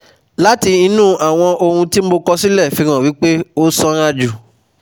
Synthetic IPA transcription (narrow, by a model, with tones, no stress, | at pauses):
la˦ti˧i˧nũ˦˨ʔa˨w̃ɔ̃˧o˧hũ˧ti˦m̩˦bo˧kɔ˧si˦lɛ˦˨fĩ˧ɾ̃ã˨wi˨˦k͡pe˦o˦sɔ˧ɾ̃a˧d͡ʒu˨